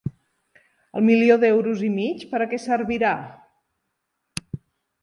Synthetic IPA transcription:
ə̰lˠmilioðɛwɾuzimit͡ʃpəɾəkɛsəɾβiɾa

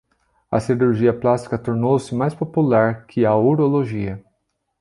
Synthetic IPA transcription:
ɐ̰siɾuɾʒiɐplast̪i̥kɐt̪oɾnowsɪmajspopulaɾkʰɪɐuɾoloʒiɐ

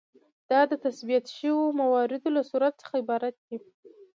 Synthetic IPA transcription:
d̪̥ɑd̪ət̪asbijat̪ʃəwomawɑɾɪd̪olasuɾat̪t͡sə̥xaɪbɑɾat̪̚d̪i

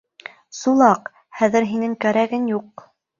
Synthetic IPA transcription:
sulˠɑq | hæðɘ̆ɾɦinɘŋkæɾæɡɘnjuq

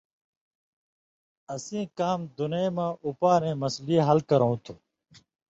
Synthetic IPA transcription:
əsĩːkaːmd̪ʊnẽmãːʔupaːɾẽːməsliːɦɐlkəɾõũt̪ʰuː

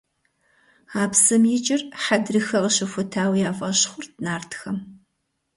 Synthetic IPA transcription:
aːpsɨmjɪt͡ʃʼɪrħadrɨxɐʁəɕɪfʷʊtʰaːwijaːfʼɐɕχʷʊrdnaːrtʰxɐm

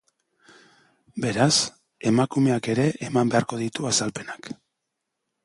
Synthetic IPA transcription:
be̞ɾas | e̞makume̞ake̞ɾe̞ʔemambe̞aɾko̞ð̞it̪uasalpe̞nak

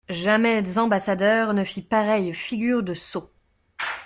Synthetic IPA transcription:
ʒamɛzɑ̃basad̪œʁnəfipaʁɛjfiɡʲyʁd̪əso

